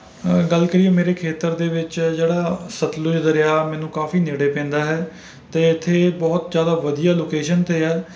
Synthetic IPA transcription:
ɡəlkəɾiːeːmeːɾeːkʰeːt̪əɾd̪eːʋɪt͡ʃd͡ʒeːɽaːsət̪lʊd͡ʒd̪əɾeaːmɛ̃ːnũːkaːfiːneːɽeːpɛ̃ːnd̪aːɦɛː | t̪eːɪt̪ʰːeːbɔːt̪d͡ʒjaːd̪aːʋəd̪ijaːloːkeːʃənt̪eːɛː

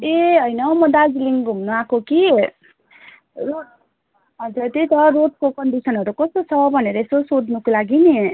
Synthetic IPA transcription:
eɦʌjnʌmʌd̪aɡliŋɡɡʱumnuakoki | ɾo | ʌd͡zʌt̪it̪ʌɾot̪̚kokʌɳɖisʌnɦʌɾukʌst̪ot͡sʰʌbʱʌneɾʌesosodnukolaɡine

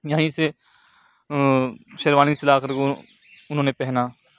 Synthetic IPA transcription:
jaɦĩse | ʃɐɾʋaːnisɪlaːkɐɾɡo | ʊnɦõːnepɛɦna

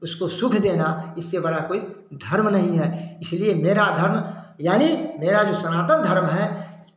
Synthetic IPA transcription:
ʊskosʊkʰd̪eːnaɪsːebɐɽakoːi | d̪ʱɐɾmnɐɦĩɦɛɪsliemeːɾad̪ʱɐɾmjaːnimeːɾad͡ʒoːsɐnaːt̪ənd̪ʱɐɾmɦɛ

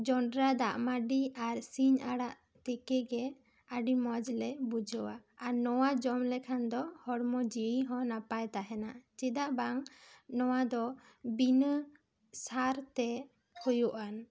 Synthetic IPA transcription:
d͡ʒɔɳɖɾad̪aʔmaɖiaɾsiɲaɽaʔ | t̪ɛkɛɡɛ | aɖimɔd͡ʒlɛbud͡ʒɔwaːɾnɔwad͡ʒɔmlɛkʰand̪ɔhɔɽmɔd͡ʒiɽiɦɔ̃napajt̪aɦɛnaʔt͡ʃid̪aʔbaŋnɔwad̪ɔbinə | saɾt̪ɛ | kʰɔjuʔan

